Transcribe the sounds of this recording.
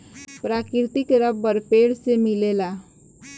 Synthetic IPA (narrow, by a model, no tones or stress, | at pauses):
pɾakɾt̪ikɾəbbəɾpeɽsemilela